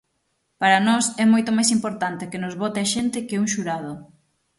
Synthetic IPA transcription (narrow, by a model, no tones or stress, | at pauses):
paɾɐnɔsɛmojt̪omajsimpoɾt̪ant̪ɪkenʊzβɔt̪ɪaʃent̪ɪkeuŋʃuɾað̞o